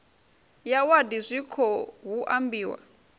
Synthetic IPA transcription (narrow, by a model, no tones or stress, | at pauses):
jawadizʷikʰɔɦuʔambiːwa̰